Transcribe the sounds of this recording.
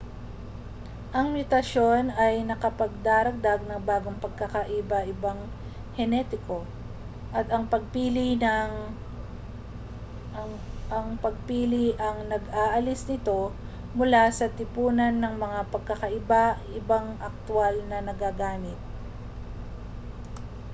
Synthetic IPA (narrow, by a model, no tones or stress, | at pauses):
ʔɐŋmjʊt̪ɐʃo̞nɐjnɐkɐpɐɡ̚d̪aːɾɐɡ̚d̪aɡ̚nɐŋbaːɡo̞ŋpɐɡ̚kɐkaʔɪbaʔɪbaŋ | hɛnɛt̪ɪko̞ | ʔɐt̪ɐŋpɐɡ̚piːlɪnɐŋ | ʔɐŋpɐɡ̚piːlɪʔɐŋnɐɡaːʔɐlɪsnɪt̪o̞ | mʊlasɐt̪ɪpuːnɐnːɐŋmɐŋapɐɡ̚kɐkɐʔɪbaʔɪbaŋʔɐk̚t̪ʊalnɐnɐɡaɡaːmɪt̪̚